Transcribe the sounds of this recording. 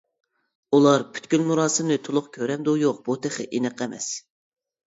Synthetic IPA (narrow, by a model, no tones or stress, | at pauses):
ulˠɑɾpʰy̥t̪kʲylmuɾɑːsɨmnɨt̪ʰʊlˠʊχkʲʰøɾɛmd̪ujoq̚b̥ut̪ʰɪχɪ̰ʔinɨqɛmɛ̰s